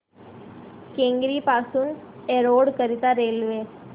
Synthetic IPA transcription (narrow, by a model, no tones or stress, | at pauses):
kẽŋɡɾipasuːneɾoɽkəɾit̪aɾelʋe